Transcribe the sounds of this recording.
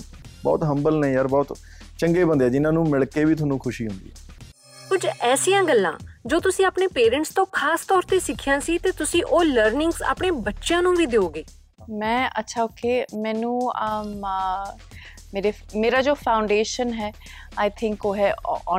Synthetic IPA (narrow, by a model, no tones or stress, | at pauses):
bɔ̰ːt̪ɦəmbəlnẽjaːɾbɔːt̪ | t͡ʃəŋɡeːbənd̪ɛːd͡ʒɪnãːnũːmɪɭkeːʋiːt̪ʰʊnːũːkʰʊʃiːɦʊ̃nd̪iːɛː | kʊd͡ʒɛːsijãːɡəlːã̰ːd͡ʒoːt̪ʊsĩːaːpneːpeːɾə̃ɳʈst̪õːkʰaːst̪ɔːɾt̪eːsɪkʰːɪjãːsiːt̪eːt̪ʊsĩːʔoːləɾnɪ̃ŋɡsa̰ːpɳeːbətːʃjãːnũːʋiːd̪eoːɡeː | mɛ̃ːə̰tːʃʰaːoːkʰeːmɛ̃ːnũːəm | meːɾemeːɾaːd͡ʒoːpʰaːʊɳɖeːʃənɦɛː | aːjt̪ʰɪ̃ŋkoːɦɛːɔː